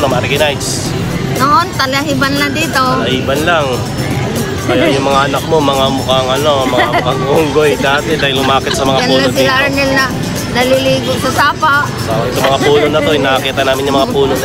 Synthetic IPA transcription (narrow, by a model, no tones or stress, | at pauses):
nomaɾɡɐnajs | noʔont̪ɐlɐɦibɐnlɐd̪iːt̪olɐhiːbɐnlaŋ | kɐjajʊŋmɐŋaʔɐnak̚mo̞mɐŋamʊkaŋɐno̞mɐapɐɡʔuŋɡojd̪aːt̪ɛd̪aːhɪlːʊmaːkɪt̪̚sɐmɐŋajɐpuɡɐsɪlanɛlnɐ | nɐliliːɡosɐsaːpaʔsoɪt̪oŋmɐŋapuːnonɐt̪o̞jnakɐkiːt̪ɐnaːmɪnɲɐmɐŋapuːno